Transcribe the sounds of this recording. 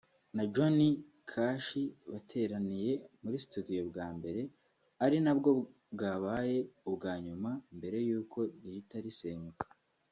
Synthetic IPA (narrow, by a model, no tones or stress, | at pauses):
nad͡ʒoni | kʰaːʃiβatʰe̞ɾanije̞muɾisitudijo̞bɡaːmbe̞ɾe̞ | aɾinabɡo̞ | bɡaːβaːje̞ubɡaːɲumambe̞ɾe̞juːkʰo̞dihitaɾiseːɲukḁ